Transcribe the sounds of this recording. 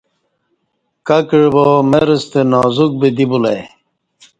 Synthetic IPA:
kɐkiɻbomeɾest̪enaːzuk̚bed̪ibulɐj

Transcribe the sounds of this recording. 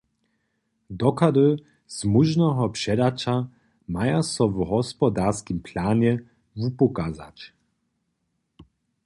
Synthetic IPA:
d̪ɔkad̪ɨ | z̥muʒnɔɦɔpʂɛd̪at͡ʃa | majasɔvɦɔspɔd̪aɾskimpʰlaːɲɛ | vupɔkaza̰t͡ɕ

